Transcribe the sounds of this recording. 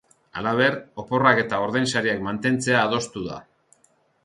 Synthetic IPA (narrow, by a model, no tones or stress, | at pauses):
a̰laβ̞eɾo̞po̞rake̞t̪aoɾðejnsaɾiakmant̪e̞nt͡se̞aːð̞o̞st̪uða̰